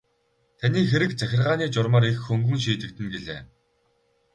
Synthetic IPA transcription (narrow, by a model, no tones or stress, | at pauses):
t̪ʰaniːxeɾɘ̆kt͡sæxʲɪ̆rʁaːniːt͡ɕʊrmaːɾixːɵŋɡɵ̆ŋʃ̬iːt̪ɘ̆k̚t̪ɘ̆nɡeɮḛː